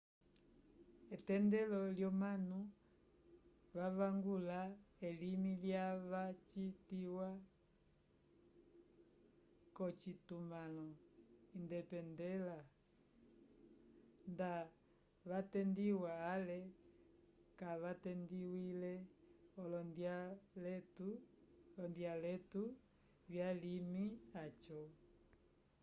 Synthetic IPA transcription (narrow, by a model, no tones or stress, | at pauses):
ɛtɛndɛlɔljɔmanu | vavaŋɡulaɛlimiljaβat͡ʃitiwa | kɔt͡ʃitumalɔindɛpɛndɛla | nda | βatɛndiwaːlɛ | kaβatɛndiwilɛɔlɔndjalɛtulɔndialɛtu | vjalimiat͡ʃɔ